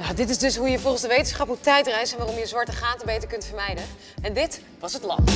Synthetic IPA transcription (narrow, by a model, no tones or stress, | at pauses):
jadɪtɪzdɵsɦujəvolˠχənzdəʋejtənsχɑpɦutɛjtrɛjsɛnʋaːrɔmjəzʋɑɹtəχaːtəbejtəɹkɵntfəɹmɛjdən | ɛndɪt | ʋɑsɦətlɑ̰p